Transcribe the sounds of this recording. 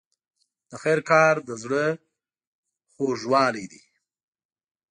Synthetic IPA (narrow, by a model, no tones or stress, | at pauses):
d̪̥əxɛɾkɑɾd̪əzɽə | xoʒwɑlejd̪ḭ